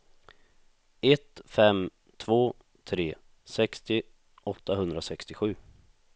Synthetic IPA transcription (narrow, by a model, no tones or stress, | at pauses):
ɛt̪fɛm | t̪ʰvoː | t̪ʰɾeː | sɛkst̪ɪ | ɔt̪ːaɦɵnd̪ɾasɛkst̪ɪɧʉ̟ː